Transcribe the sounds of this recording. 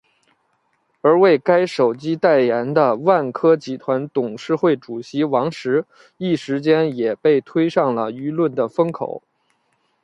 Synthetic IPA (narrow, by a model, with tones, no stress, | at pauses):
ə˞˧˥we˥˩ɪka˥ɪʂo˨˩ʊt͡ɕi˥t̪a˥˩ɪjɛ˧˥nd̪ə˧wa˥˩nkʰɤ˥t͡ɕi˧˥t̪ʰwa˧˥nt̪ʊ˨˩ŋʂɻ̩˥˧xwe˥˩ɪʈ͡ʂu˨˩ɕi˧˥wɑ˧˥ŋʂɻ̩˧˥ | i˥˩ʂɻ̩˧˥t͡ɕjɛ˥njɛ˨˩pe˥˩ɪt̪ʰwe˥ɪʂɑ˥˩ŋlə˩y˧˥lwə˥˩nd̪ə˩fɤ˥ŋkʰo̰˨˩˦ʊ